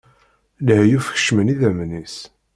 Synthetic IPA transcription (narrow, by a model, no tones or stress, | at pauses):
lhjufə̥ç̥ʃməniðæmnis